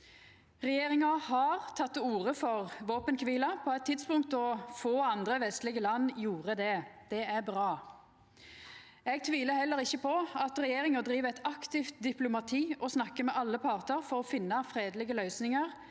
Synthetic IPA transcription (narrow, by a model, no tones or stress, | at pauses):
ʁɛjeːʁɪŋɑhɑʁt̪ʰɑt̪ːuːʁəfɔʁʋoːpənkʰʋiːlɑpʰɔɛt̪ʰːɪd̪spʊŋk̚t̪ɔfoːɑnd̪ʁəʋɛst̪lɪɡəlɑnːjuːʁəd̪ɛd̪̥ɛæʁbʁɑː | ɛɡ̚t̪ʰʋiːləhɛlːəɾɪçːəpʰɔɑt̪ʁɛjeːʁɪŋəd̪ɾiːʋəɛt̪ɑkt̪ɪft̪̚d̪ɪplʊmɑt̪ʰiːɔsnɑkːəmɛʔɑlːəpʰɑʁt̪əʁfɔʁɔfɪnːɑfɾeːd̪lɪɡəlœʏsnɪŋəʁ